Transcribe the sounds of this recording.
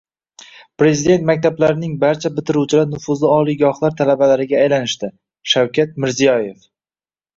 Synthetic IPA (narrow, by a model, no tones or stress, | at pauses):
pɾe̞zid̪e̞nt̪mak̚ʲt̪ʰablaɾɪnɪŋbaɾt͡ʃʰabɪt̪ʰɪɾut͡ʃʰɪlaɾnʊfʊzlˠɪɒlˠijɡɒhlˠaɾt̪ʰalabalaɾɪɡʲaːjlanɪʃt̪ɪ | ʃawkʲat̪̚mɪɾzijɒje̞f